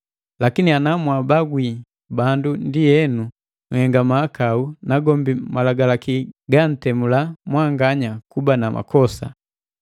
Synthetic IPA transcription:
lakinianamwabaɡwi | bandundijɛnu | ŋhɛŋɡamaːkaunaɡɔmbimalaɡalakiɡan̩tɛmulamwaŋɡaɲakubanama̰kɔsa̰

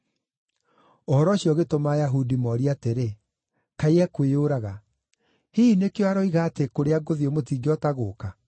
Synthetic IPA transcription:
ohɔɾɔɕjɔɣetomaːjaɦudimɔɾiateɾe | kaiɛkweoːɾaɣa | hinekewaɾɔiɣaːtekoɾeaɡoðiomotiːɡeɔtaɣoːka

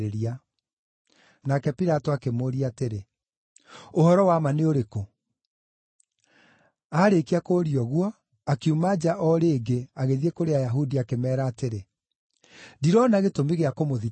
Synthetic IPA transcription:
ɾeɾia | nakɛpiɾatoakemoːɾiateɾe | ohɔɾɔwamaneoɾeko | aɾekiakoːɾiɔɣwɔ | akiumad͡ʒaʔɔɾeːɡeaɣeðiekoɾeajaɦudiakemɛːɾaːteɾe | diɾɔnaɣetomiɣeakomoði

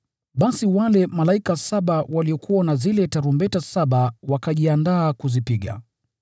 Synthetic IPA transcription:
ɓasiwalɛmalaikasaɓawaliɔkʰuwanazilɛtaɾumbɛtasaɓawakaʄiandaːkuzipiɠa̰

